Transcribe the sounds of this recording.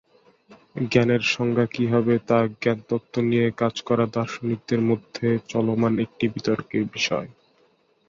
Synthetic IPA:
ɡɛneɾʃɔŋɡʱakibʱabet̪aɡɛnt̪ot̪ʰːonijekad͡ʑkɔɾad̪ɔɾʃonik̚d̪eɾmod̪ʱːet͡ɕɔlomanek̚ʈibit̪ɔɾkeɾbiʃɔ̰e

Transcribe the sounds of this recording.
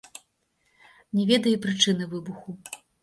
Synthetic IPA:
nʲɛvʲɛd̪ɐjipɾɨt͡ʂɨnɨvɨbuxu

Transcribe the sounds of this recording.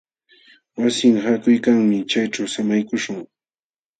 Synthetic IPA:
wasɪŋhakʊjkaŋmɪt͡ʃajʈ͡ʂawsamajkʊʃʊŋ

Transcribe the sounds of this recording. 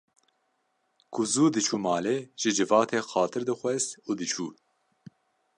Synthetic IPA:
kʰʊzuːd̪ɨt͡ʃʰuːmɑːleːʒ̥ɨd͡ʒɨvɑːt̪ʰeːxɑːt̪ʰɨɾd̪ɨxʷɛst̪uːd̪ɨt͡ʃʰuː

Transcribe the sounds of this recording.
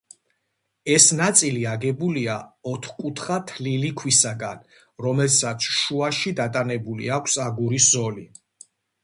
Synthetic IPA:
ɛsnat̪sʼiliaɡɛbuliaɔt̪ʰχkʼut̪ʰχat̪ʰlilikʰwisaɡan | ɾɔmɛlsat̪sʰʃuaʃid̪at̪ʼanɛbulḭakʷʰsaɡuɾiszɔli

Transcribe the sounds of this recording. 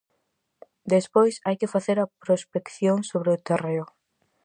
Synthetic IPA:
d̪espojsajkɪfaθeɾɐpɾospekθjoŋsoβɾeʊt̪ereʊ

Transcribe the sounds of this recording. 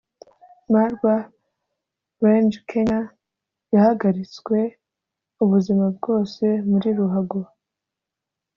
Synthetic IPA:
maɾɡwa | wend͡ʒkʰe̞ɲa | jahaɡaɾit͡skwe̞ | uβuzimab̚ɡo̞ːse̞muɾiɾuɦaɡo

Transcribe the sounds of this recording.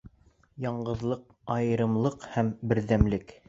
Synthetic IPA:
jɑɴɢɤ̆ðlˠɤq | ɑjɤ̆ɾɤ̆mlˠɤqhæmbɘ̆ɾðæmlɘk

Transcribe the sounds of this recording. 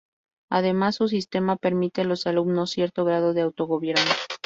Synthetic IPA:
að̞e̞masːus̬ist̪e̞mape̞ɾmit̪elo̞salubno̞sje̞ɾt̪o̞ɣɾaðo̞ðeawt̪o̞ɣo̞βje̞ɾno

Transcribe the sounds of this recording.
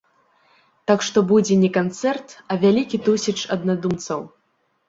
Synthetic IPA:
t̪akʂt̪ɔbud͡zʲɛnʲɛkant̪sɛrt̪ɐvʲalʲikʲit̪usʲit͡ʂɐd̪nad̪umt̪sɐw

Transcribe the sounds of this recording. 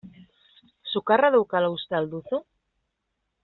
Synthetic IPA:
sukaraðowkalowst̪ald̪uθo

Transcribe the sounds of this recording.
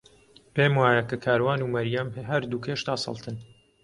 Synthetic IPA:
peːmwaːjɐkakʰaːɾwaːnuːmɐɾjamɦɐɾd̪ukʰeːʃt̪aːsɑ̰lˠt̪ʰɨn

